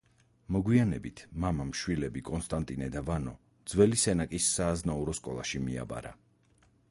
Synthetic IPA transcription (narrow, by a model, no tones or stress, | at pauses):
mɔɡwianɛbit̪ʰmamamʃwilɛbikʼɔnst̪ʼant̪ʼinɛd̪avanɔ | d̪z̥wɛlisɛnakʼisːaːznauɾɔskʼɔlˠaʃimia̰ba̰ɾa̰